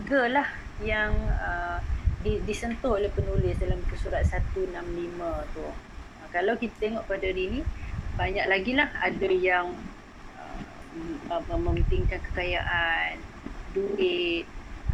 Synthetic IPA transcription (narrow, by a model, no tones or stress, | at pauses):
ɡalah | jaŋədidisənt̪ʊhlahpənolɪsdalamkəsuɾat̪̚sat̪unamlimə̃t̪uəkalawkit̪ḁt̪eŋɔʔkadadinibaɲak̚laɡilahadajaŋ | ə̰ | əməmt̪iŋkankə̥kajaʔan | duɪt̪̚